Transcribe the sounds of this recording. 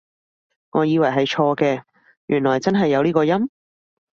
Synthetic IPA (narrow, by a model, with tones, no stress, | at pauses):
ŋɔː˨˧jiː˨˧wɐ˨˩jɦɐ˨jt͡ʃʰɔː˧kɛː˧ | jyː˨˩nlɔː˨˩jt͡sɐ˥nɦɐ˨jːɐ˨˧wliː˥kɔː˧jɐ˥m